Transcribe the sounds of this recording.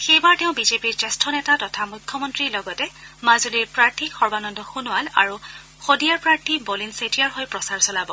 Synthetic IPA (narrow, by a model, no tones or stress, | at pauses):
xejbaɹtɛʊ̃bizepiɹt͡ʃɛstʰɔnɛtatɔtʰamujkʰːjɔmɔntɹiɹlɔɡɔtɛmazuliɹpɹaɹtʰixɔɹbanɔndɔxunɔala̰ɹu | xodijaɹpɹaɹtʰibɔlinsetiaɹɦojpɹɔsaɹsɔlabɔ